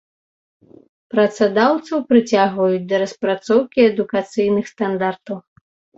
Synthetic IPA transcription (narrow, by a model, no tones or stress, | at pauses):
pɾɐt̪sad̪awt̪sɐwpɾɨt͡sʲaɣvɐjut͡sʲd̪ɐɾɐspɾat̪sɔwkʲiɛd̪ukat̪sɨjnɨxst̪and̪art̪ɐw